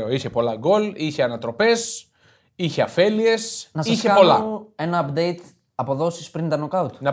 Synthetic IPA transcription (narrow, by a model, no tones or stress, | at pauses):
oiçe̞po̞lɐɡo̞liçeɐnɐt̪ɾo̞pe̞s | içeɐfelie̞snɐsɐiçekɐpo̞lɐe̞nɐɐpd̪ejt̪ | ɐpo̞ðo̞sispɾint̪ɐnokɐut̪nɐ